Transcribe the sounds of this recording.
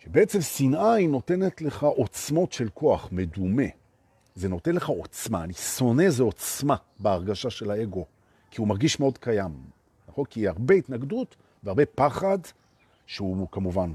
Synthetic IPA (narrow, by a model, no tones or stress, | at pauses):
ʃebeet͡se̞msinʔajno̞te̞netle̞χaʔo̞t͡smo̞tʃe̞lko̞aχme̞dume̞ | ze̞no̞te̞nleχao̞t͡smaniso̞ne̞zeo̞t͡sma | beaʁɡaʃaʃe̞lae̞ɡo̞ | kiumaʁɡiʃmeo̞dkajam | naχo̞nkiiaʁbe̞itnaɡdut | veaʁbe̞paχad | ʃeukamuvan